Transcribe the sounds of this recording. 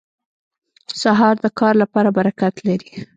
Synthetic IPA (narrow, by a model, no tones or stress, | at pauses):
saɦɑɾd̪əkɑɾlapɑɾabaɾakat̪laɾi